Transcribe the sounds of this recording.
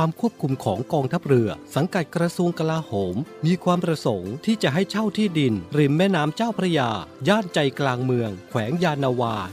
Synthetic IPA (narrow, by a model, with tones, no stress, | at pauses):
waː˧mkʰu˥˩əp̚kʰu˧mkʰɔː˩˦ŋkɔː˧ŋt̪ʰa˦˥˩p̚ɾɯ˧ɐsa˩˦ŋka˨˩t̪̚kɾa˧su˧əŋka˧laː˧hoː˩˦mmiː˧kʰwaː˧mpɾa˧so˩˦ŋt̪ʰiː˥˩t͡ɕa˨˩ɦa˥˩jt͡ɕʰa˥˩wt̪ʰiː˥˩di˧nɾi˧˩nmɛː˥˩naː˦˥mt͡ɕaː˥˩wpʰɾa˦˥˩jaː˧jaː˥˩nt͡ɕa˧jklaː˧ŋmɯ˧əŋkʰwɛː˩˦ŋjaː˧nːaː˧waː˧